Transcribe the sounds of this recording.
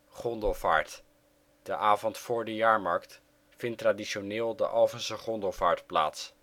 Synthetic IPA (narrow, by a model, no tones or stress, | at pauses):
χɔndəlˠva̰ːɹt | d̥əʔaːvɔntfʊːɹdəjaːɹmɑɹkt | fɪntraːdiʃonɪːlˠdə̰ʔɑlˠvənsəχɔndəlˠvaːɹtpla̰ːts